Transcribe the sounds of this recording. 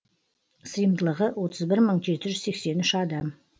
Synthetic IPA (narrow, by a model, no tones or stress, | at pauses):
səjəmd̪əlˠəʁəwo̞t̪ʰəzbɪɾməɴʒe̞t̪ɪʒʏzse̞kse̞nʏʃɑd̪ɑm